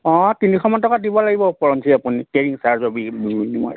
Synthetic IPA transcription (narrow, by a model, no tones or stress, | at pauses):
ɔ̃tinixʰɔmɔntɔkadibɔlaɡibɔpɔɹɔnsʰiapunikeɹiŋsaɹzɔbibiunimɔ̰j